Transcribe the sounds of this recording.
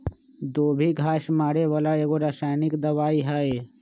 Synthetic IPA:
d̪oːbʱiɡʱaːʃmaːɽeʋaːlaeːɡoɾaːsaːjnɪkd̪ɐʋaːiɦae

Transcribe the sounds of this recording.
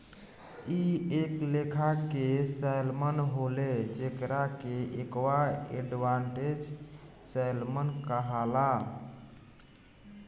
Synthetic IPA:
ieklekʰakesəjlmənɦoled͡ʒekɾakeʔekwaḛɖʋaɳʈed͡ʒsəɪlmənkəɦala

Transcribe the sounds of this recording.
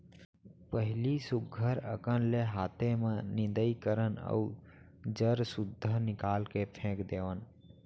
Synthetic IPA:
pəɦɪlisʊɡʱəɾə̰kənleɦaːt̪ʰemẽnɪ̃nd̪əikəɾənə̰u | d͡ʒəɾsʊd̪ʱːənɪkaːlkepʰẽːkd̪eːʋən

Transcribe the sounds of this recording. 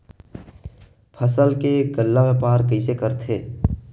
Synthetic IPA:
pʰəsəlkeɡəlːamẽpaːɾkəisekəɾt̪ʰeː

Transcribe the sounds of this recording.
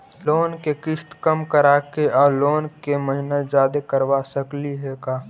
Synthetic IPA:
loːnkekɪst̪kəmkəɾaːkeɔːloːnkeməɦinad͡ʒaːd̪ekəɾwasəkliɦɛːkaː

